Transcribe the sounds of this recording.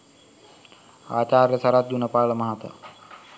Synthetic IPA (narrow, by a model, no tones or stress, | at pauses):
a̰ːt͡ʃaːɾjɐsɐɾat̪̚d̪unɐpaːɭɐmaɦat̪a̰